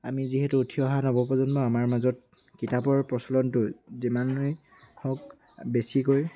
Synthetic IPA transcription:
amiziɦɛtʊːtʰiɔɦanobɔpɔzɔnbɔamaɹmazɔt̚ | kitapɔɹpɹɔsɔlɔntʊzimanːɔj | hɔk̚ | besikoj

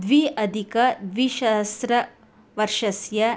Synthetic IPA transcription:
d̪ʋiɐd̪ʱikɐd̪ʋiʃɐsɾɐ | ʋɐɾʂɐsjɐ

